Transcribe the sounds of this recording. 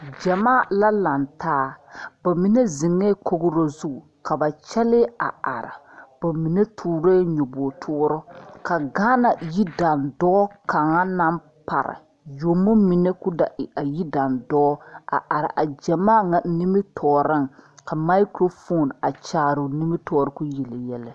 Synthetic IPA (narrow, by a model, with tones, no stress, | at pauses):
d͡ʒɛ˨maː˦˨la˦la˨ntaː˦ba˨mi˦nɛ˦zɪ˨ŋɛ˦ko˦ɡɾo˦zu˦˨ | ka˨ba˨t͡ʃɛ˦lɪ˦a̰˨a̰˨ɾɪ̰˨ | b̥a˨mi˨ne˦tʰuː˨ɾeː˦ɲo˨bɔ˨tʰʊː˦ɾɔ˦ka˨ɡaː˦na˨ji˦da˨ndɔː˦ka˨ŋa˦na˦m | pa̰˨ɾɪ̰˨ | jo˨mo˦mi˨nɛ˦ku˦da˨ʔɪ˨a˨ji˦da˨ndɔː˦a̰˨ʔa˨ɾɪ˨ʔa˨d͡ʒɛ˨maː˦ŋa˨˦ni˦mɪ˦tʰɔː˨ɾɨ˦ŋ˨ka˨ma˦i˦kɾo˦fo˦˨na˨t͡ʃaː˨ɾʊ˨ni˦mɪ˦tɔː˦˨ɾɨ˦ku˦jɛ˨lɛ˨jɛ˦lɛ˦